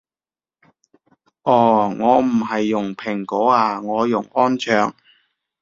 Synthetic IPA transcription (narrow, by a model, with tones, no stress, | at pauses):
ʔɔː˧˩ŋɔː˨˧m̩˨˩ɦɐ˨jːʊ˨˩ŋpʰɪ˨˩ŋkɔː˨˥aː˧ŋɔː˨˧jʊ˨˩ŋɔː˥nt͡ʃʰœː˨ŋ